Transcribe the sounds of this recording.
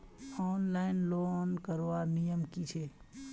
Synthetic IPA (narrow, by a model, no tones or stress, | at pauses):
ɔːnlaɪnlonkəɾʋanijəmkit͡ʃʰe